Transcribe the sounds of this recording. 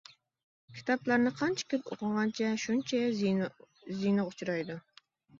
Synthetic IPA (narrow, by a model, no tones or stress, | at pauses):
kʲʰi̥t̪ʰɑplaɾnɪqʰɑnt͡ʃʰɛ̥kʲʰɪlo̰qɨɴʁɑnt͡ʃʰɛʃunt͡ʃʰɛj | zijnɨqʊt͡ʃʰɾɑjd̪u